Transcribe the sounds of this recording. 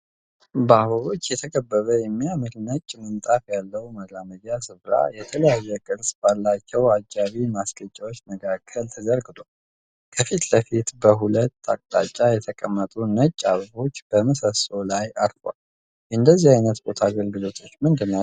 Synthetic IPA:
bahulot͡ʃːjɛt̪ʰəɡəbːəβəjɛmːijaməlnət͡ʃʼːmənt̪ʼafjalːəwməaməd͡ʒasɨβɾa̰jɛt̪ʰələjajːɛkʼɨɾsbalːat͡ʃːɛwad͡ʒaβimaskʼət͡ʃʼːawot͡ʃːnəɡʰakʰːəlt̪ʰəzəɾɡɨd̪o | kʰəfit̪ləfit̪bəɦulət̪ːa̰kʼt̪ʼa̰t͡ʃʼːajɛt̪ʰəkʼəmːət̪ʼunət͡ʃʼːaββo̞t͡ʃːb̥əməsəso̞lajaɾfwa̰l | ɨnd̪əzːihajnət̪bo̞t̪ʰaɡəlɡɨlo̞t̪ʰo̞t͡ʃːmɨnd̪ɨnːa

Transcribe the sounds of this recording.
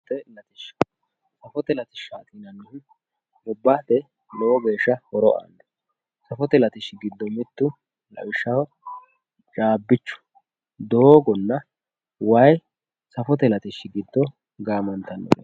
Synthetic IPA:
t̪ɛlɐt̪ɪʃ | sɐfɔt̪ɛlɐt̪ɪʃaːt̪iːnɐnːʊhʊn | ʔʊbːaːt̪ɛ | lɔwɔɡe̞ːʃːɐhɔɾɔʔa̰nd̪ɛ̥ | sɐfɔt̪ɛlɐt̪ɪʃɪɡɪd̪ːɔmɪt̪ːʊ | lɐ̰wɪʃːɐw | t͡ʃʼaːbːɪt͡ʃːʊ̥ | d̪oːɡɔnːɐ | wɐj | sɐfɔt̪ɛlɐt̪ɪʃːɪɡɪd̪ːɔ | ɡaːmɐnt̪ɐnːɔ̰

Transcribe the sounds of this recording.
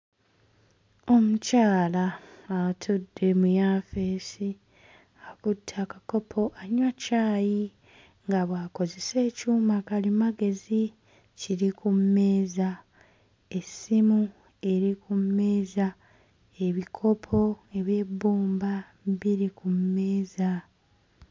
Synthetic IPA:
o̞mucaːlaː | tʰudːe̞mujaːfe̞ːsi | akutʰːakako̞pʰo̞ʔaɲwacaːji | ŋɡaβwaːko̞ze̞se̞ːcuːmakalimaɡe̞zi | ciɾikʰumːe̞ːza | e̞simu | e̞ɾikumːe̞ːza | e̞βikʰo̞pʰo̞e̞βje̞bːuːmba | βiɾikumːe̞ːza

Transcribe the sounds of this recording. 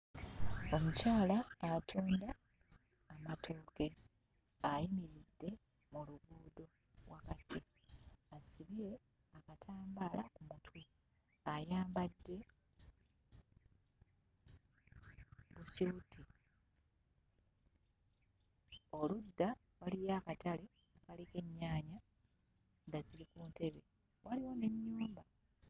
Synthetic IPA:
o̞mucaːlaːtʰuːndaː | matʰo̞ːke̞ | ajimiɾidːe̞ | muluɡuːdo̞ | βwakatʰːi | asiβie̞ | akatʰaːmbalakumutwi | ajaːmbadːe̞ | βusuti | o̞ludːa | walijaːkatale̞ | akalike̞ɲːaːɲa | ndazilikuːnte̞βe̞ | wʔaliwo̞ne̞ɲːuːmba

